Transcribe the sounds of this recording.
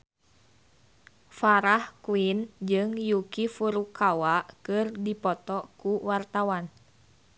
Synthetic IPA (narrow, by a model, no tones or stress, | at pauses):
faɾahkuind͡ʒɨŋjukifuɾukʰawaʔkɨrdipɔt̪ɔkuwart̪awan